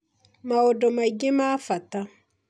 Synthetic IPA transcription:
maodɔmaiɡemafata

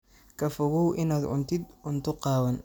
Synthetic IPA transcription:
kʰɐfɔɣuwʔɪnaːd̪ʕʊ̰nt̪ʰɪd̪ʕʊnt̪ʰʊqɑːwɐn

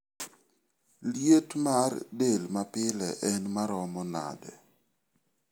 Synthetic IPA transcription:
ljetmardelmapɪlɛʔɛnmaɾɔmɔna̰dɛ

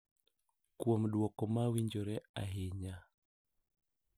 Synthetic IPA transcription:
kwomɗwɔkɔmawiɲd͡ʒɔɾɛaɦeɲa

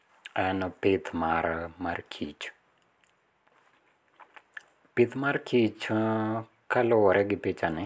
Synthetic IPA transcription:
ɛnɔpɪt̪ʰmaɾamarkʰit͡ʃ | pit̪maɾkʰit͡ʃ | kaloɾʔɛɡɪpit͡ʃanɪ

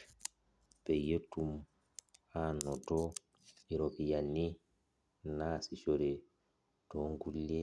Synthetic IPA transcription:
b̥ɛjetːum | hanɔtɔ | iɾɔʔijanːi | naːsit͡ʃɔɾɛ | tɔŋɡulːɛ

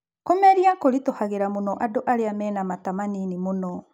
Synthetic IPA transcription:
komɛɾiakoɾitohaɣeɾamonɔʔadoʔaɾeamɛːnamatamaninimonɔ

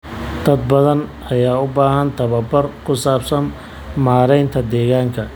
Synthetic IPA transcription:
d̪̥ɐd̪̚bɐðɐn | ɐjaːʊbaːɦɐnt̪ʰɐβɐbɐrkʰʊsaːbsɐm | maːɾɛjnt̪ʰɐd̪ɛːɣaːŋkʰɐ

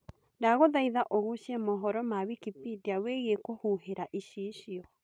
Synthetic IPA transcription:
daɣoðaiðaʔoɣuʃiɛmɔɦɔɾɔmawikipidiaweɣekohuɦeɾaʔiʃiːʃiɔ

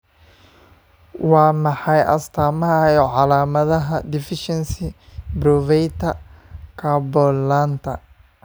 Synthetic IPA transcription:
wɑːmɑħɑjʔɐ̰st̪ʰaːmɐɐɔʕɑlaːmɐðɐɦɐd̪ɪfɪʃɛnsɪbrɔvɛjt̪ʰɐkʰɐbɔlaːnt̪ʰɐ

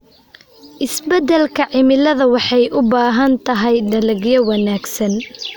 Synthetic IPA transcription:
ʔɪsbɐd̪ɛlkʰɐʕɪmɪlɐðɐwɑħɑjʔʊbaːɦɐnt̪ʰɐɦɛjɖɐlɐɡjɐwɐnaːɡsɐn

